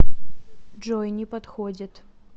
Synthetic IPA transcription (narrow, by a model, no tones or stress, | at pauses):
ʐɔjnʲɪpɐt̪xod͡zʲɪt̪